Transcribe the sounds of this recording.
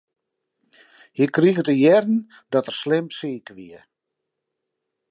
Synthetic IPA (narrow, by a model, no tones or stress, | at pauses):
hikriɣətəjɛrn̩ | dɔtərslɪmsiːkəʋiə